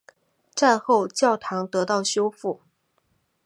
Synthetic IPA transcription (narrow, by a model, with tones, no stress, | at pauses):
t͡sa˥˧ɪxo˥˧ʊt͡ɕjɑ˥˩ʊt̪ʰɑ˧˥ŋt̪ɤ˧˥t̪ɑ˥˩ʊɕjo˥ʊfu˥˩